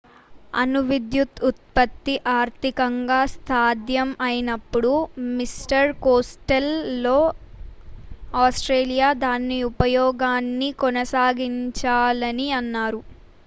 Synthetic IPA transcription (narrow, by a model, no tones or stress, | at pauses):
ɐ̰nuʋid̪jut̪ut̪̚pɐt̪ːiʔaːɾt̪ikɐŋɡaːst̪ʰaːd̪jɐmɐjinɐpːuɽumisʈɐɾkoːsʈɐlːo̞ː | aːsʈɾeːlijaːd̪aːnːiupɐjɔːɡaːnːikɔnɐsaːɡiɲt͡ʃaːlɐniɐnːaːɾu